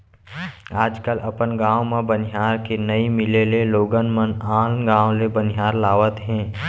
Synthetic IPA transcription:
aːd͡ʒkəlʔɐpənɡãːwmẽbənɦaːɾkenəimɪleleloːɡənmənaːlnɡãːõlebənɪɦaːɾlaːʋət̪ɦɛ̃ː

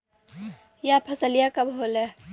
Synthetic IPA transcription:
japʰəsəlijakəbɦole

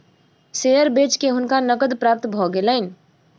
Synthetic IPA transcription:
sejəɾbeːt͡ʃkeɦʊnkanəkəd̪pɾaːp̚t̪bʱɔɡeləɪn

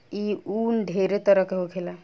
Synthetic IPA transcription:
iuːnɖʱeɾet̪əɾəkeɦokʰela

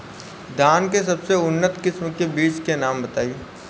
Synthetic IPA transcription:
d̪ʱaːnkes̬ɐbseʊnːət̪kɪsmkebiːt͡ʃkenaːmbɐt̪aːi

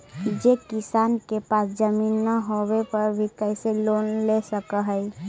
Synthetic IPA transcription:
d͡ʒekɪsaːnkepaːsd͡ʒəmiːnːəɦowepəɾbʱikɛɪseloːnlesəkəɦɛɪ

